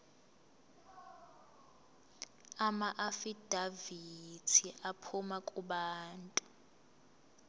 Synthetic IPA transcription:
amaʔafid̥ʱavitʰiʔapʰumakʼuɓaːntʼu

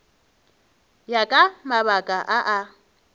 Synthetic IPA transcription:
jakʼamaβakʼaʔaʔa

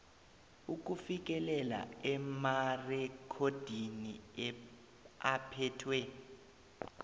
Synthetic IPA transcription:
uk̬ufik̬ʼɛlɛla̰ɛmarɛkʰod̥ʱini | apʰɛtʰwɛ

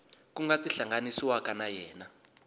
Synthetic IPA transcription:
kuŋɡatiɬaŋɡanisiwakanajɛːna

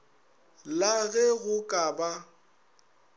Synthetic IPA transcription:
laɣɛɣʊkʼaba

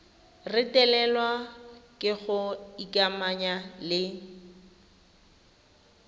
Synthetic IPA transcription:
rɪtʼɛlɛlwakʼɪɣʊikʼamaɲalɪ

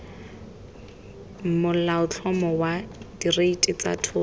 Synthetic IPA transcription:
mʊllaʊtʰɔmɔwadireitʼɪt͡sa̰tʰʊ

